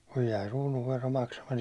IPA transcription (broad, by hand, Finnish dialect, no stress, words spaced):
kuj jæi ruːnuʋːero mɑksɑmɑti